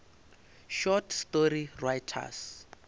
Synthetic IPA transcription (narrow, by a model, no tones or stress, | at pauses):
ʃɔtʰstorirajtʰa̰s